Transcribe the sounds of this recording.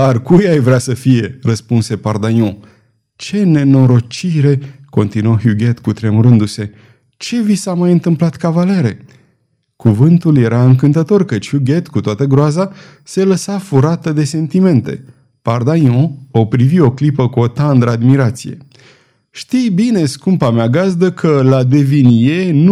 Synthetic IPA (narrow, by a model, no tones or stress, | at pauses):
arkujajvɾeasəfije̞rəspunse̞pard̪anjõ | t͡ʃe̞ne̞no̞ɾo̞t͡ʃiɾe̞ko̞nt̪inuoɦuɡʲe̞t̪kut̪ɾe̞muɾɨnd̪use̞ | t͡ʃe̞visamajɨnt̪ɨmplat̪kavale̞ɾe̞ | kuvɨnt̪ulje̞ɾaɨŋkɨnt̪ət̪o̞rkət͡ʃʲhuɡʲe̞t̪kut̪oat̪əɡɾoaza | se̞ləsafuɾat̪əd̪e̞se̞nt̪ime̞nt̪e̞̰ | pard̪anõopɾivio̞klipəkuo̞t̪and̪ɾəad̪miɾat̪sije̞̰ | ʃt̪ijbine̞skumpameaɡazd̪əkʰəlad̪e̞vinijen